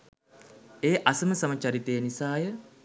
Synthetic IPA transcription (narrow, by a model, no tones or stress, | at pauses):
eːʔasəməsamat͡ʃaɾit̪eːnisaːjə